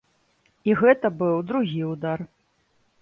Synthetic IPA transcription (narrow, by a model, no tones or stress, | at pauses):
iɣɛt̪ɐbɨwd̪ɾuɣʲiud̪ar